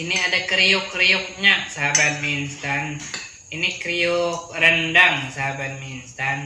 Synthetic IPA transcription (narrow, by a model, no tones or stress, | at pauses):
iniadakəɾijʊkːɾijʊk̚ɲasaɦabat̪̚minst̪an | inikɾiʊk̚ɾəndaŋsaɦabat̪̚minst̪an